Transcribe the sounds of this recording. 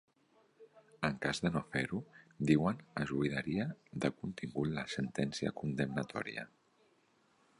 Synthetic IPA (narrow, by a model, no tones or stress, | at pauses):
əŋkazðənofeɾud̪iwənəʒuiðəɾiəðəkunt̪iŋɡut̪ləsənt̪ɛnsiə̰kund̪əmnət̪ʰɔ̰ɾiə̰